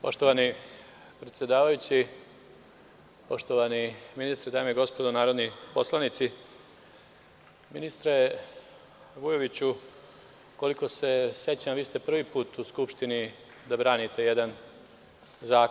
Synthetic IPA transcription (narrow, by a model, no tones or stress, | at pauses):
po̞ʃt̪o̞ʋani | pɾe̞t̪sje̞d̪aːʋajut͡ɕi | po̞ʃt̪oʋaniminist̪ɾed̪aːmeiɡo̞spo̞d̪onaːɾo̞d̪nipo̞slˠanit̪si | minist̪ɾe | ʋujo̞ʋit͡ɕu | ko̞liko̞se̞sje̞t͡ɕamʋiːst̪e̞pr̩ʋiːpuːt̪uskupʃt̪ini | d̪abɾaːnit̪e̞jed̪an | zaːk